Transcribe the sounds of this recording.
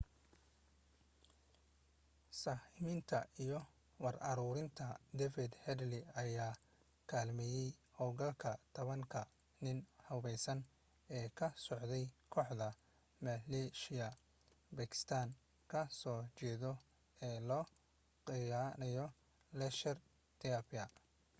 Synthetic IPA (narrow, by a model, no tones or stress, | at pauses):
saːhɪmɪnt̪ʰɐijɔ | wɑrɐɾuːɾɪnt̪ʰɐd̪ɛfɪd̪hɛd̪lɪɐjaː | kʰaːlmɛːjɛjhɔɡɐlkʰɐt̪ʰɐβɐŋkʰɐ | nɪnhɐβɛjsɐn | ɛːkʰɐsɔʕd̪ɛjkʰɔːħd̪ɐ | mɐlɛʃɪɐ | bɐkʰɪ̥st̪ʰaːn | kʰɐsɔːt͡ʃɛːðɔ | ɛːlɔː | qɪjaːnɐjɔ | lɛʃɛr | t̪ʰiɐpɐ